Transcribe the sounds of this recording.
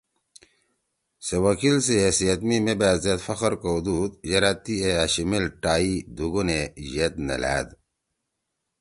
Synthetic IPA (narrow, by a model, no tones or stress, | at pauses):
sewɐkʰilseesijɐt̪mimebæːzet̪fɐxəɾkod̪uːd̪jɐɾat̪ieaɕimilʈaːid̪uɡunejet̪nḛlæ̰ːd̪